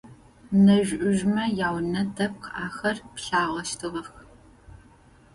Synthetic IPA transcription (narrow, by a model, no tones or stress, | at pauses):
nɐʒʷʔʊʒmɐjaːwnɐdʰɐp̚qʰʔaːxɐrpɬaːʁɐʃtʰɨʁɐx